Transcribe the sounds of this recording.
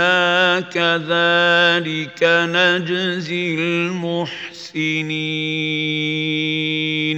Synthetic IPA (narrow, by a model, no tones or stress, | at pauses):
aːkaðaːlɪkanad͡ʒzɪlmʊħ | sɪni | n